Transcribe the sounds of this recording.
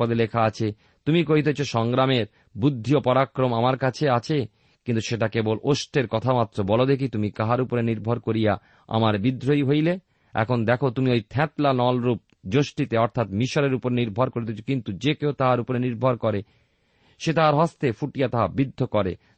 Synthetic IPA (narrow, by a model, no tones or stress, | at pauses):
od̪elekʰaat͡ɕʰe | t̪umikoɦit̪̬et͡ɕʰoʃɔŋɡɾameɾ | bud̪ʱːiopɔɾakɾomamaɾkat͡ɕʰeat͡ɕʰe | kint̪uʃeʈakeboloʃʈeɾkɔt̪ʰamat̪ːɾobɔlod̪ekʰit̪umikaɦaɾupoɾeniɾbʱoɾkoɾija | a̰maɾbid̪ʱːɾojɦojle | ɛ̰kʰond̪ɛkʰot̪umiojt̪ʰɛ̃t̪lanɔlɾup̚d͡ʑoʃʈit̪eɔɾt̪ʰat̪miʃoɾeɾupoɾeniɾbʱoɾkoɾit̪et͡ɕʰo̥kint̪ud͡ʑekeot̪aɦaɾupoɾeniɾbʱoɾkɔɾe | ʃet̪aɦaɾɦɔst̪efuʈijat̪aɦabid̪ʱːokɔɾḛ